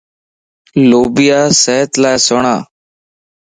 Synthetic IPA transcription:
loːbɪjaːsɛːt̪laːsoɳaː

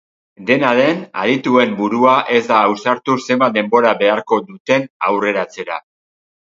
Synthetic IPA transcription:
d̪e̞naðe̞na̰ðit̪ue̞mbuɾuaʔe̞zd̪aːwsaɾt̪use̞mbad̪e̞mbo̞ɾaβe̞aɾko̞d̪ut̪e̞nawre̞ɾat͡se̞ɾa

